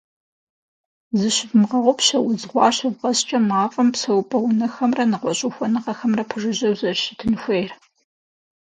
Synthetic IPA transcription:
zɨɕɪbmʁɐʁʷʊpɕɐwʊzʁʷɑ̰ːɕɪvʁɐst͡ʃʼɐmaːfʼɐmpsɐwpʼɐwʊnɐxɐmrɐnɨʁʷɔɕʼʊxʷɔnɨʁɐxɐmrɐpʰɨʐɨʑɐwzɐrɕɪtʰɨnxʷeːjr

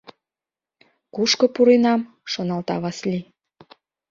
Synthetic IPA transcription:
kuʃkŏpuɾenɑm | ʃonɑlt̪ɑβɑslʲi

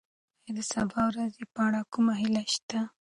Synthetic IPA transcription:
ed̪əsabɑwɾazepaɽakumaɦilaʃt̪a

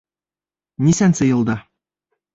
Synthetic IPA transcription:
nʲisænsɤjɤ̆lˠd̪ɑ

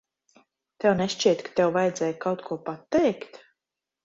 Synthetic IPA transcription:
t̪ɛwnɛʃt͡ʃiɛt̪kḁt̪ɛwvajd̪zɛːjkawt̪kʰuɔpat̪ːɛjkt̪

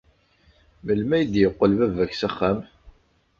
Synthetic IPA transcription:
məlmæjəd̪jəqːəlvævæçsæχːæm

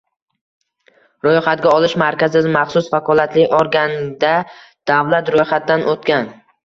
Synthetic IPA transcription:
ɾojχat̪̚ɡʲaɒlɪʃmaɾkʲazɪd̪ɪmaχsʊsfakʰɒlˠat̪lɪoɾɡʲanɪd̪a | d̪̥avlat̪ɾojχat̪̚d̪anʔot̪kʲan

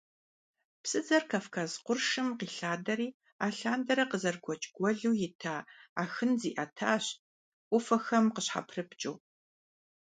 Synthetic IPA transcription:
psʼɨd͡zɐrkʰafkʰazqʷʊrʂɨmqiːɬaːdɐɾiː | aːɬaːndɐɾɐqəzɐrɡʷʰɔt͡ʃʼɡ̥ʷɔɮuːjɪtʰaːaːxɨnzḭːʔɐtʰaːɕ | ʔʷʊfɐxɐmqəɕħa̰pʰrɨpt͡ʃʼṵː

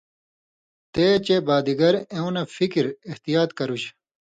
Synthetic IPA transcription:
t̪eːt͡ɕebaːd̪iɡɐɾẽũnɐfikiɾiht̪ijaːt̪kɐɾuɕ

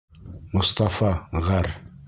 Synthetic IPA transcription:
mʊst̪ɑfɑʁæɾ

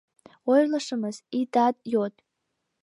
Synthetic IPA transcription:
wojlaʂɨmɨz̥idadʼjotʼ

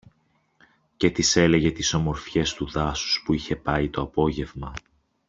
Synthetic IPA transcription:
ce̞t̪ise̞le̞ʝe̞t̪iso̞mo̞ɾfçe̞st̪uðɐsu̥spuiçe̞pɐit̪o̞ɐpo̞ʝe̞vmɐ

